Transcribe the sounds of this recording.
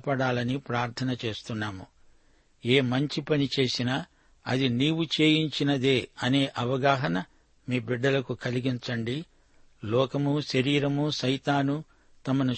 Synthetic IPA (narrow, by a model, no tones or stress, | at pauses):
pɐɽaːlɐnipɾaːɾt̪ʰɐnɐt͡ʃe̞ːst̪unːaːmu | eːmɐɲt͡ʃipɐnit͡ʃe̞ːsinɐ | ɐ̰d̪iniːwut͡ʃe̞ːjiɲt͡ʃinɐd̪eːɐne̞ːʔɐʋɐɡaːɦɐnɐ | miːbiɖːɐlɐkukɐliɡiɲt͡ʃɐɳɖi | lɔːkɐmuʃɐɾiːɾɐmuʃɐjt̪aːnu | t̪ɐmɐnu